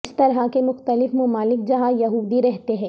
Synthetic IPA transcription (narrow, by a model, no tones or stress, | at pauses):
st̪ɐɾɦakemʊxt̪əlɪfmʊmaːlɪk̚d͡ʒɐɦãjɐɦuːd̪iɾɛɦt̪eɦɛ̃ː